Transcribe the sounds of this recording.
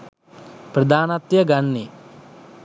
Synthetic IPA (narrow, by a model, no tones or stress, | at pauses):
pɾɐd̪aːnɐt̪jɐɡɐɳːi